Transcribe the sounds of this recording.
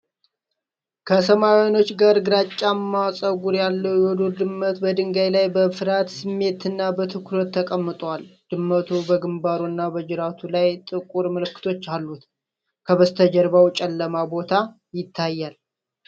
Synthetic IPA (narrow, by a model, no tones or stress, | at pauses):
kʰəsəmaweno̞t͡ʃːɡaɾɡɨɾat͡ʃʼːamːawsʼəɡuɾjalːəwjwɔd̪uɾd̪ɨmːət̪bəd̪ɨŋɡajlajbəfɨɾat̪sɨmːe̞t̪ɨnːabət̪ʰɨkʰɾət̪ʰːəkʼəmːɨt̪ʼwald̪̥ɨmːət̪ʰubəɡɨmbaɾunːabəd͡ʒɪɾat̪ʰulajt̪ʼɨkʼuɾməlɨkːɨ̥t̪ʰo̞t͡ʃːalːut̪ | kʰəβəst̪ʰəd͡ʒəɾbawt͡ʃʼɛlːəmabo̞t̪ʰa | jɪt̪ʰːajːal